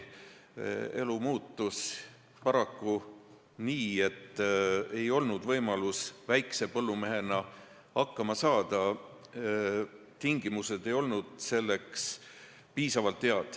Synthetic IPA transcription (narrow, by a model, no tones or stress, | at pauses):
e̞lumuːt̪ːus | pɑɾɑkːu | niːe̞t̪ːe̞jo̞lnud̪̥vɤjmɑlusvæjkse̞pɤlːume̞ɦe̞nɑ | ɑkːɑmɑsɑːd̪̥ɑ | t̪iŋɡ̥imuse̞d̪̥e̞jo̞lnud̪̥se̞lːe̞ks | piːsɑvɑlt̪ːeɑd̪̥